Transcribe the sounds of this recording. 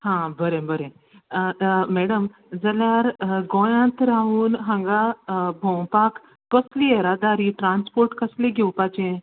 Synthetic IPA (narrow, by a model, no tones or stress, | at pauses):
hãbəɾẽbəɾẽ | mɛːɽəm | zɐlaːɾɡõːjãːnt̪ɾaːɦuːnɦə̃ŋɡabʱõwpaːk | kəslieɾaːd̪aːɾiʈɾaːnspoɾʈkɐsliɡewpat͡ʃẽ